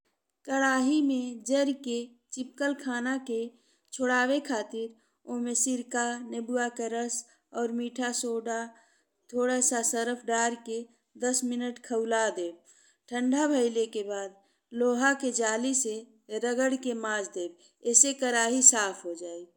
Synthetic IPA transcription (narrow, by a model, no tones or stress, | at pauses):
kəɾaːɦimẽd͡ʒəɾke | t͡ʃɪp̚kəlkʰaːnake | t͡ʃʰoɽaːʋekʰaːt̪ɪɾ | omẽsɪɾkanebuakeɾəs | ɔːɾmiːʈʰasoːɖa | t̪ʰoːɽasasəɾəpʰɖaːɾke | d̪əsmɪnəʈkʰəʊlad̪eːb̚ | ʈʰə̃ɳɖʱabʱəɪlekebaːd̪̚ | loːɦaked͡ʒaːlise | ɾəɡəɽkemãːd͡ʒʰd̪eːb | ɛsekəɾaːɦisaːpʰɦod͡ʒaːi